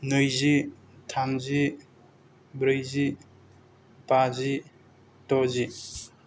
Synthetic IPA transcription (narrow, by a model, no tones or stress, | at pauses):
nɯjzi | tʰamzi | bɾɯjzi | pazi | tɔzi